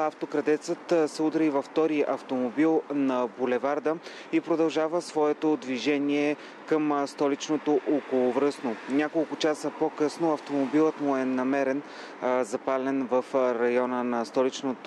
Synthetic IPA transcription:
aft̪okɾɐd̪ɛt̪sət̪sɛud̪ɾivɐft̪ɔɾiʔɐft̪omobilˠnɐbulɛvaɾd̪ə | ipɾod̪ɐlˠʒavəsvɔɛt̪od̪viʒɛniɛ | kəmst̪ɔlit͡ʃnot̪oʔokolˠovɾɤsnonʲakolˠkʊt͡ʃasəpokɤsnoɐft̪omobilˠət̪mʊɛnɐmɛɾɛn | zɐpalɛnvɐfɾɐjɔnənɐst̪ɔlit͡ʃnot̪

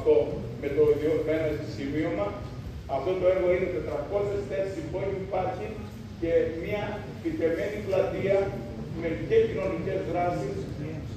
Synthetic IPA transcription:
t̪o̞ | me̞t̪oðiomenost̪osimiomɐ | ɐft̪o̞t̪o̞eɾɣo̞ine̞t̪et̪ɾɐko̞sest̪esibo̞ɾiipɐɾçi | ce̞miɐ | pit̪e̞me̞niplɐt̪iɐ | me̞cecino̞nice̞zðɾɐsis

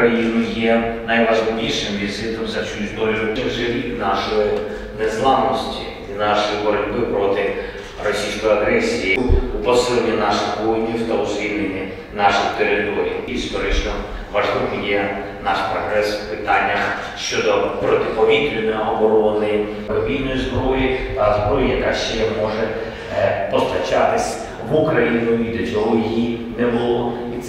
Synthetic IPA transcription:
jinʊjɛnɐjʋɐʒlˠɪʋʲiʃɪmʋʲisɪt̪ɔmzɐt͡ʃuzʲd̪ɔlʲʊkiwʒɐlʲiinɑʃɔji | nɛzlˠɑnɔsʲtʲḭ | inɑʃɔjibɔɾɐlʲbɪpɾɔt̪ɪ | rɔsʲijsʲkɔjiɐɦɾɛsʲijiupɔsɪlˠenʲinɑʃɪxbujnʲiwt̪ɐʊsʋʲilʲenʲːi | nɑʃɪxt̪eɾɪt̪ɔɾʲḭjiːst̪ɔɾɪt͡ʃnɔ | ʋɐʒlˠɪkɪjɛ | nɑʃpɾɔɦɾɛswpɪt̪ɑnʲːɐ | ʃt͡ʃɔd̪ɔpɾɔt̪ɪpɔʋʲit̪ɾʲɪnɔjɔɔbɔɾɔnɪj | kɔbʲijnɔjizbɾɔjiɐzbɾɔjijɐkaʃt͡ʃɛmɔʒɛ | pɔst̪ɐt͡ʃat̪ɪsʲ | ʋukɾɐjinɔjid̪et͡ʃɔʊjijinɛbʊlˠɔ | it̪s

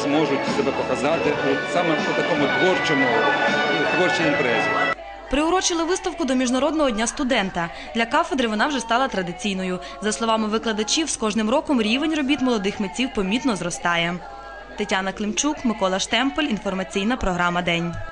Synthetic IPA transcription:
mɔʒʊtʲsɛbɛpɔkɐzɑt̪ɪʊsɑmɛpʊt̪ɐkɔmʊt̪ʋɔrt͡ʃɔmʊ | t̪ʋɔrt͡ʃiimpɾɛzʲḭ | pɾɪʊɾɔt͡ʃɪlˠɪʋɪst̪ɐwkʊd̪ɔmʲiʒnɐɾɔd̪̚nɔɦɔdʲnʲast̪ʊd̪ɛnt̪ɐ | d̪lʲɐkɑfed̪ɾɪʋɔnɑwʒɛst̪ɑlˠɐt̪ɾɐd̪ɪt͡sʲijnɔjʊ | zɐslˠɔʋɑmɪʋɪklˠɐd̪ɐt͡ʃʲiwskɔʒnɪmɾɔkɔmɾʲiʋenʲrɔbʲit̪mɔlˠɔd̪ɪxmet͡sʲiwpɔmʲit̪nɔzɾɔst̪ɑjɛ | t̪etʲanɐklˠɪmt͡ʃukmɪkɔlˠɐʃt̪ɛmpɔlʲinfɔrmɐt͡sʲijnɐpɾɔɦɾɑmɐd̪ɛnʲ

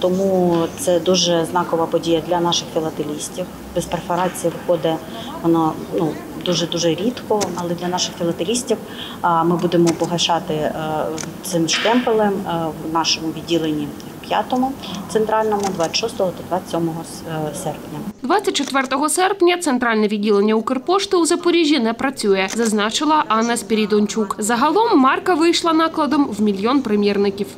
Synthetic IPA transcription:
t̪ɔmut̪sɛd̪uʒɛznɑkɔʋɐpɔdʲijɐd̪lʲɐnɑʃɪxfʲilˠɐt̪elʲisʲtʲiw | b̥espɾefɔɾɑt͡sʲijɐʋxɔd̪ɛ | ʋɔna | nu | d̪uʒɛd̪uʒɛɾʲit̪kɔɐlˠɛd̪lʲɐnɑʃɪxfʲɪlˠɐt̪elʲisʲtʲiw | mɪbud̪emɔpɔɦɐt͡ʃɑt̪ɪ | t̪sɪmʃt̪ɛmpelˠɪmwnɑʃɔmʊʋʲid̚ʲilˠenʲːiiwpʲja̰t̪ɔmʊt̪sent̪ɾɑlʲnɔmʊd̪ʋaʃɔst̪ɔɦɔt̪ɔd̪ʋasʲɔmɔɦɔ | sɛrpnʲɐd̪ʋɑt͡sʲːɐt̚ʲt͡ʃɔt̪ʋɛrt̪ɔɦɔsɛrpnʲɐt̪sent̪ɾɑlʲnɛʋʲidʲːilˠenʲːɐukerpɔʃt̪ɪuzɐpɔɾʲiʒʲːinɛpɾɐt͡sʲujɛzɐznɑt͡ʃɪlˠɐʔɑnːɐsʲpʲiɾʲijd̪ɔnʲt͡ʃukzɐɦɐlˠɔmːɑrkɐʋɪjʃlˠɐnɑklˠɐd̪ɔmwmʲilʲjɔnpɾɪmʲjirnɪkʲiw

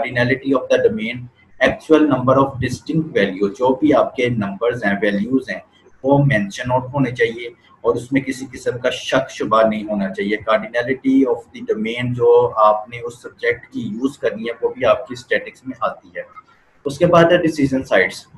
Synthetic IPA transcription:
kaɾɖinɛːlɪʈiɔːfd̪ɐɖomẽːn | ɛːk̚t͡ʃuwəlnɐ̃mbəɾɔːfɖɪsʈɪ̃ŋk̚ʈʋɛːljuːzd͡ʒoːbʱiaːp̚kenɐ̃mbəɾzɦɛ̃ːʋɛːljuːzɦɛ̃ː | ʋoːmɛ̃ːnʃə̃naʊʈɦoːnet͡ʃaːɦie | ɔːɾʊsmẽkɪsikɪsə̃mkaʃɐkʃʊbanɐɦĩɦoːnat͡ʃaːɦiekaːɾɖinɛːlɪʈiɔːfd̪iɖoːmẽːnd͡ʒoːaːpneʊsːɐb̚d͡ʒek̚ʈkijuːzkɐɾniɦɛʋoːbʱiaːp̚kisʈɛːʈɪksmẽʔaːt̪iɦɛː | ʊskebaːd̪ɐɖɪsiːd͡ʒə̃nsaɪɖs

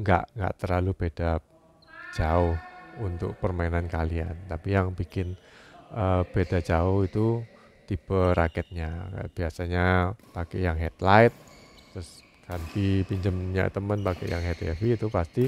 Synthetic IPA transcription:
ŋɡa̰ʔŋɡa̰ʔt̪ərlalub̥ed̥ḁ | d͡ʒaʊhunt̪ʊ̰k̚pərmainankaliant̪apijaŋbikɪnəb̥ed̥ad͡ʒaʊhit̪u | t̪ibəɾakɛt̪̚ɲaka̰b̥iasaɲapakɛjaŋɦɛt̪laɪt̪̚t̪ːɾʊs | kanp̪ipiɲd͡ʒəmɲa̰t̪əmənpakɛ̰jaŋɦet̪ɛfiːt̪upast̪i

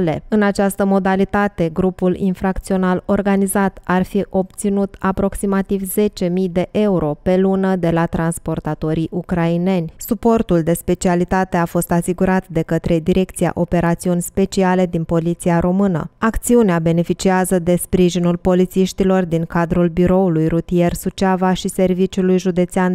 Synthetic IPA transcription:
le̞ɨnat͡ʃast̪əmo̞d̪alit̪at̪e̞ɡɾupulḭnfɾakt̪sio̞nalo̞rɡanizat̪arfiʔo̞pt̪sinut̪apɾo̞ksimat̪ivze̞t͡ʃe̞mijd̪e̞ʔe̞uɾʔo̞pe̞lunəd̪e̞lat̪ɾanspo̞rt̪at̪o̞ɾiʔukɾaine̞nʲsupo̞rt̪uld̪e̞spe̞t͡ʃialit̪at̪e̞afo̞st̪asiɡuɾat̪d̪e̞kət̪ɾe̞d̪iɾʔe̞kt̪sija̰ʔo̞pe̞ɾat̪siunʲspe̞t͡ʃiale̞d̪inpo̞lit̪siaɾʔo̞mɨnə̰akt̪siuneabe̞ne̞fit͡ʃiazəd̪e̞spɾiʒinulpo̞lit̪siʃt̪ilo̞rd̪iŋkad̪ɾulbiɾo̞ulujrut̪ije̞rsut͡ʃavaʃise̞rvit͡ʃulujʒud̪e̞t̪sean

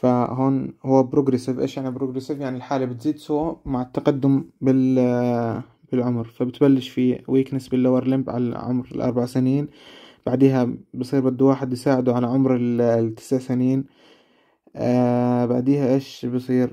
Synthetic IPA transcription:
faɦoːnhʊwːabɾuɡɾɪsɪvʔḛːʃjaʕnibɾuɡɾɪsɪvjaʕnilħaːlibɪt̪ziːd̪suwamaʕɪt̪ːaqɑd̪ːʊmbɪl | b̥ɪlʕʊmɾfabɪt̪balːɪʃfiwiːknɪsbɪlːawɑɾˤlɪmbʕa̰la̰ʕʊ̰mɾɪ̰lʔɑ̰ɾˤbaʕasɪniːnb̥aʕd̪iːɦabɨsˤiːɾbɪd̪ːuwaːħɪd̪jɪsaːʕɪd̪uʕalaʕʊmɾɪlt̪ːɪ̥sʕasɪniːn | baʕd̪iːhaʔeːʃbɨsˤiːɾ

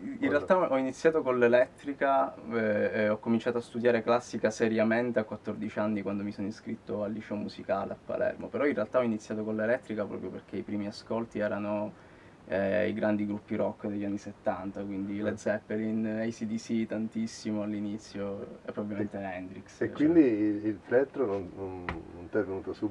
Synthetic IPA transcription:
inrːealt̪aɔinit̪sːjaːt̪okonlelɛt̪ːɾika | ɔkːomint͡ʃaːt̪oast̪ud̪jaːɾeklasːikaseɾjament̪eakːwat̪ːord̪it͡ʃanːikwand̪omisoniskɾit̪ːoalːiʃɛomuzikaleapːa̰lɛ̰rmo̰peɾɔinrealt̪aɔinit̪sjaːt̪okolːelɛt̪ːɾikapɾɔ̰ːpɾjoperk̟eipɾiːmiaskolt̪iɛːɾano | ḭɡɾand̪iɡɾupːiɾɔkːd̪eʎːanːiset̪ːant̪akwind̪iled̪zɛpːelinejsid̪isit̪ant̪isːimoalːinit̪sːjoepːɾobabvlilment̪eɛnd̪ɾiksekːwwind̪iilfɾɛt̪ːɾononnonːont̪ɛvenuːt̪osu

